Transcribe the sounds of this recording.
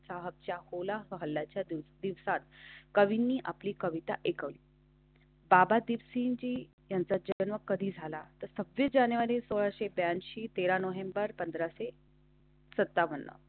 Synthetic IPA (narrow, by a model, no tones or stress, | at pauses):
t͡saɦəb̚t͡ɕjaholaɦəɦəlːat͡ɕjad̪iʋsat̪̚kəʋinːiːʔapliːkəʋit̪a̰ʔekəʋliː | babad̪iʋsind͡ʑiː | jant͡sad͡ʑəənʋəkːəd̪ʱiːd͡zʱalat̪əɾsəbjəd͡ʑanʋaɾiːsoɭaɕebjanɕiːt̪eɾanoɦembəɾpənd̪ɾase | sət̪ːaʋənːə̰